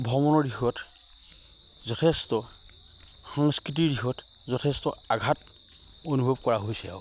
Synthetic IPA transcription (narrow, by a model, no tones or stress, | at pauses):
bʱɔmɔnɔɹdixɔt | zɔtʰestɔ | xaŋskɹit̬iɹdixɔt | zɔtʰestɔ̰aɡʱat | onubʱɔb̚kɔɹaɦojsɛ̰